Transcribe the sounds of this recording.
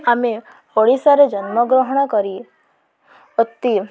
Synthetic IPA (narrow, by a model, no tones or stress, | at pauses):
ame | pɔɽisaɾed͡ʒɔnmɔɡɾɔɦɔɽ̃ɔkɔɾi | ot̪ːi